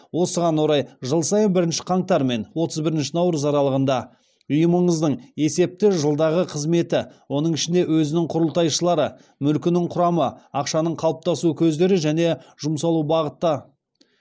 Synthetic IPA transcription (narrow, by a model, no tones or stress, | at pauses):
wo̞səʁɑnwo̞ɾɑjʒəlˠsɑjənbɪɾɪnʃɪ̥qʰɑɴt̪ɑɾme̞nwo̞t̪ʰəzbɪɾɪnʃɪnɑwɾəsɑɾɑlˠəʁənd̪ɑ | ʊjəməɴəzd̪əɴe̞se̞p̚t̪ɪʒəlˠd̪ɑʁəqʰəzme̞t̪ɪwo̞n̪əɴɪʃɪnd̪e̞wɵzɪnɪŋqʰʊɾəlˠt̪ɑjʃəlˠɑɾə | mʏlkʲɪnɪqʰʊɾɑməɑqʃɑnəɴqʰɑlˠəp̚t̪ɑsukʲʰɵzd̪e̞ɾɪʒæne̞ʒ̥ʊmsɑlˠubɑʁət̪ːə